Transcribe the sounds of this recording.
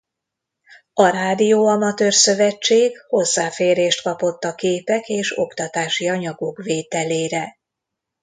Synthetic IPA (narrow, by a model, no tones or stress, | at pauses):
ɒɾaːd̪ijoːɒmɒt̪øːrsø̞vɛt͡ʃːeːɡho̞zːaːfeːɾeːʃt̪kɒpo̞t̪ːɒkeːpɛkeːʃo̞̰kt̪ɒt̪aːʃiɒɲɒɡokveːt̪ɛleːɾɛ